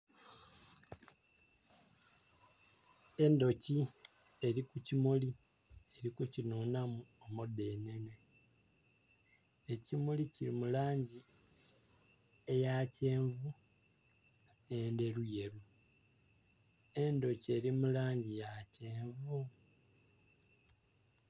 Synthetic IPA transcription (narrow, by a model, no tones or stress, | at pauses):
e̞ndo̞ci | e̞ɾikucimuli | e̞ɾikucinuːnamuomudːe̞ne̞ne̞ | ecimuliciɾimulaːɲɟi | e̞jace̞ːɱvu | ende̞ɾuje̞ɾu | e̞ndo̞cie̞ɾimulaːɲɟijace̞ːɱvu